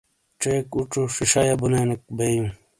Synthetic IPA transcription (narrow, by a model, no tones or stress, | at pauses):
ʈ͡ʂeːkuʈ͡ʂuʂiʂajabunanik̚bejũ